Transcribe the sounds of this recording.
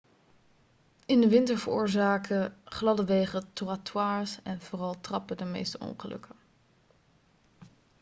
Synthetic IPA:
ɪndəʋɪntəɹvəɹʊ̰ːɹzaːkʰəχlɑdəʋejχətoratwaːɹsɛnv̥oːrɑlˠtrɑpədəmejstəɔ̰ŋχəlɵ̰kə

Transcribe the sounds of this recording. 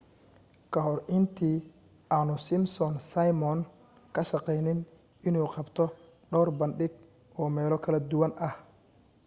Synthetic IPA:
kʰɐɦɔrɪnt̪ʰiː | ʔaːnʊsɪmsɔnsɐjmɔn | kʰɐʃɑqɛjnɪn | ʔɪnuːqɑbt̪ʰɔ | ɖɔwrbɐnɖɪɡ̚ | ɔːmɛːlɔkʰɐlɐd̪ʊwɐnʔɐh

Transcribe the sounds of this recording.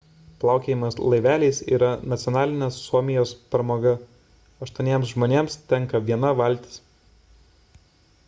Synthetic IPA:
plˠɑˑʊkʲeːjɪmɐslˠɐɪʋʲæːlʲɛɪsḭːɾɐnɐt̪sʲɪjɔnɑːlʲɪnʲesːuɔmʲɪjoːspɾmoːɡɐ | ɐʃt̪uɔnʲeɛmsʒmoːnʲeːmst̪ʲɛŋˑkɐʋʲiɛnɐʋɐlʲˑt̪ʲɪ̥s

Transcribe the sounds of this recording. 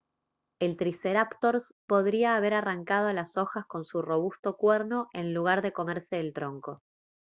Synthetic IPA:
elt̪ɾiseɾapt̪oɾs | po̞ð̞ɾiaːβ̞e̞ɾaraŋkaðoalaso̞xasko̞nsuro̞β̞ust̪o̞kweɾno̞ʔe̞nluɣ̞aɾðeko̞meɾse̞ːlt̪ɾo̞ŋko̞

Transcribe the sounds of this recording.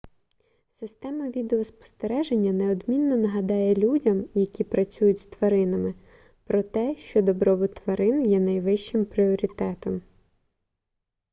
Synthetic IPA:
sɪst̪ɛmɐʋʲid̪eɔspɔ̥st̪eɾɛʒenʲːɐneɔd̪mʲinːɔnɐɦɐd̪ɑjɛlʲudʲɐmjɐkʲipɾɐt͡sʲujʊtʲst̪ʋɐɾɪnɐmɪ | pɾɔt̪ɛʃt͡ʃɔd̪ɔbɾɔbʊt̪ʋɐɾɪnjɛnɐjʋɪʃt͡ʃɪmpɾʲiɔɾʲit̪ɛt̪ɔm

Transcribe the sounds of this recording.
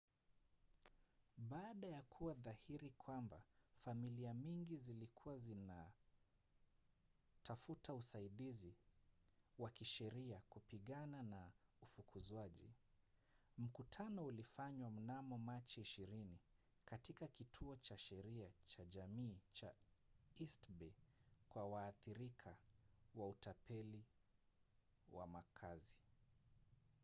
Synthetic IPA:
ɓaːɗajakʰuwaðahiɾikʰwamba̰familiaɲiŋɡizilikʰuwazina | tʰafutausaiɗizi | wakiʃɛɾiakupiɠananaufukʰuzwaʄḭ | m̩kutʰanɔulifaɲwam̩namɔmat͡ʃiiʃiɾini | katikakitʰuɔt͡ʃaʃɛɾiat͡ʃaʄamiːt͡ʃa | istbɛkwawaːθiɾikʰawautapɛli | wa̰makʰazi

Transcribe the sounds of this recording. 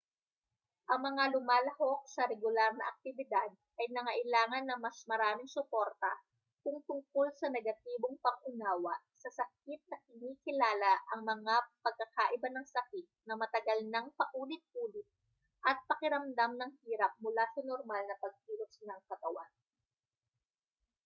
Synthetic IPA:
ʔɐŋmɐŋalʊmaːlɐho̞k̚sɐɾɛɡʊlaɾnɐʔɐk̚t̪ɪbɪd̪ad̪̚ʔɐjnɐŋɐʔɪlaːŋɐnːɐŋmɐsmɐɾaːmɪŋsʊpo̞ɾt̪ɐ | kʊŋt̪ʊŋkolsɐnɛɡɐt̪iːboŋpɐŋʔʊnaːwɐ | sɐsɐk̚ɪt̪̚nɐkɪniːkɪlaːlɐʔɐŋmɐŋapɐɡ̚kːɐkaʔɪbanɐŋsɐkɪt̪̚nɐmɐt̪ɐɡɐlnɐŋpɐʔuːlɪt̪̚ʔuːlɪt̪̚ | ʔɐt̪̚pɐkɪɾɐmd̪amnɐŋhiːɾɐp̚mʊlasɐnoɾmalnɐpɐɡ̚tiːlosnɐŋkɐt̪ɐwan

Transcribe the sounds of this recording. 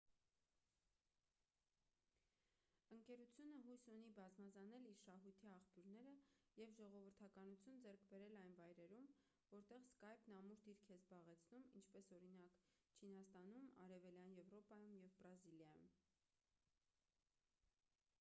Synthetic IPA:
əŋkɛɾut͡sʰjunəɦujsunibɑzmɑzɑnɛliɾʃɑɦujt̪ʰiɑχpjuɾnɛɾəjɛvʒɔʁɔvəɾt̪ʰɑkɑnut͡sʰjund͡zɛɾkʰbɛɾɛlɑjnvɑjɾɛɾum | vɔɾt̪ɛʁskɑjpnɑmuɾd̪iɾkʰɛzbɑʁɛt͡sʰnumḭnt͡ʃʰpɛsɔɾinɑkt͡ʃʰinɑst̪ɑnumɑ̰ɾɛvɛljɑnjɛvɾɔpɑjumjɛvbɾɑziljɑjṵm

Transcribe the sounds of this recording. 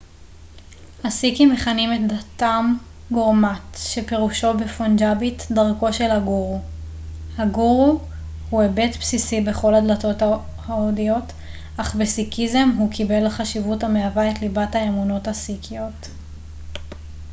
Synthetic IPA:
hasikimeχanimetdatam | ɡoʁmatʃe̞pe̞ʁuʃo̞befond͡ʒabitdaʁko̞ʃe̞lhaɡuʁu | haɡuʁu | huebe̞tpsisibe̞χo̞ladlato̞ta | haodijo̞t | ʔaχbesikize̞mɦukʰibe̞lχaʃivuthameavaetlibathaamuno̞thasikʰijo̞t

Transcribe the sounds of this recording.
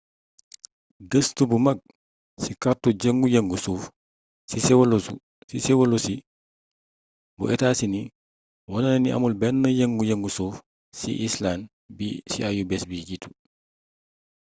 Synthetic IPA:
ɡɐstubumɐɡ̚ | sikartuɟɐŋɡujɐŋɡusuːf | sisɛwlsu | sisɛwɐlusi | bṵʔɛtaːsini | wɔnɐnɐniɐ̰mulbɛnːəjɐŋɡujɐŋɡusuːf | sḭʔislaːn | bisḭajubɛsbiɟitu̥

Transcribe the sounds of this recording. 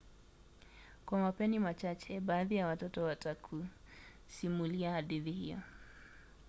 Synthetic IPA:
kwamapɛnimat͡ʃat͡ʃɛbaːðijawatɔtɔwatakʰu | simuliahadiðihijɔ̰

